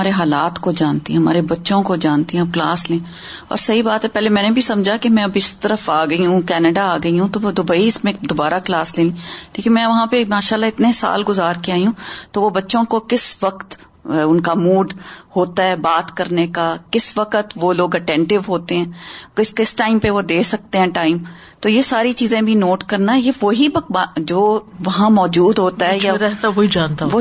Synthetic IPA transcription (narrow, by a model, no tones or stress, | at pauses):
aːɾeɦaːlaːt̪kod͡ʒaːnt̪iɦɛ̃ɦɐma̰ːɾebɐtːʃõkod͡ʒaːnt̪iɦɛ̃bklaːslẽː | ɔ̰ːɾsɐɦibaːt̪ɦɛpɛːlemɛ̃ːnebʱisɐ̃md͡ʒʱakemɛ̃ɐbɪst̪ɐɾəfaːɡɐiɦũkɛːnəɖaaːɡɐiɦũt̪od̪ʊbəiːsmẽd̪obaːɾaklaːsleːlĩleːkɪnmɛ̃ːʋɐɦãpemaːʃaːlːaɪt̪nesa̰ːlɡʊzaːɾkeaːiɦũt̪oʋobɐtːʃõkokɪsʋɐkt̪ | ʊnkamuːɖhoːt̪aɦɛːbaːt̪kɐɾnekakɪsʋɐqət̪ʋoloːɡɐʈɛ̃ːɳʈɪʋɦoːt̪eɦɛ̃ːkɪkɪsʈaːɪmpeʋod̪eːsɐk̚t̪eɦɛ̃ʈaːɪm | t̪oːjesaːɾit͡ʃiːzẽbʱinoːʈkɐɾnaɦɛjeʋoɦibɐbad͡ʒoː | ʋɐɦãmɔːd͡ʒuːd̪ɦoːt̪aɦɛjaɾɛɦt̪aʋoid͡ʒaːnt̪aʋo